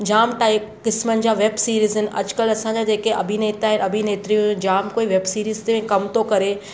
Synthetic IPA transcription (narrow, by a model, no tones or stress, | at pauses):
d͡ʑaːmʈaːikɪsmənɪ̆d͡ʑaːʋeːbsiːɾiːzɦɪnɪ̆ʔɐ̰d͡ʑkəlɐsãd͡ʑad͡ʑeːkeɐ̰bʱineːt̪aːɦɪ̃nɐbʱineːt̪ɾijũnd͡ʑaːmkoːiʋeːbsiːɾiːzt̪eẽkɐmt̪okɐɾe